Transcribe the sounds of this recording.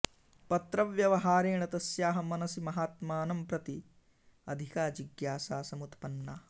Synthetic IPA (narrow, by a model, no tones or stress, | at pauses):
pɐt̪ɾɐʋjɐʋɐɦaːɾeːɳɐt̪ɐsjaːɦɐmɐnɐsimɐɦaːt̪maːnɐmpɾɐt̪i | ɐ̰d̪ʱikaːd͡ʒiɡjaːsaːsɐmut̪pɐnːaː